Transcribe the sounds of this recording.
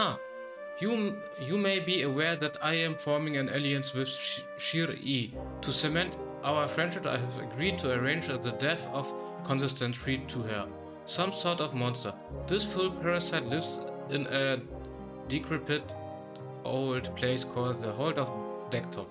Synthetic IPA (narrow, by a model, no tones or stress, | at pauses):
a | ju | jumeɪbiəwɛɹðætaɪɨ̃mfɔɹmɪ̃ŋɨ̃neliɨ̃nswɪð̥ | ʃiɹi | tʰusɛmɛ̃ntʔaʊə˞fɹɛ̃ndʃɪpa̰ɪɛvə̰ɡɹid̚tʰuə˞ẽɪ̃nd͡ʒðədɛθɔv̥ | kʰɔ̃nsɪstə̃nsʰɹitʰːuhə˞ | sʌ̃msɔɹtɔvmɔ̃nstə˞ | ðɪsfʊlˠpʰɛɹɨsaɪtˡlɪvzɪ̃nə | dɪkʰɹ̥ɪpʰɨt | ʔoʊldpʰl̥eɪskʰɔlˠd̪̚ðəɦoʊlˠdɔvdɛk̚tʰɔp̚